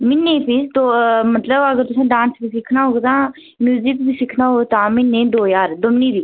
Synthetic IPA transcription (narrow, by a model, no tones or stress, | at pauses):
mɪnːẽːpʰɪst̪oːmət̪ləbəɡəɾt̪ʊsẽːɖãːnsbiːsɪkʰnaːɦoːɡet̪ãː | mjuːzɪkbiːsɪkʰnaːɦoːɡet̪ãːmɪnːẽːd̪oːjaːɾd̪ʊmniːbiː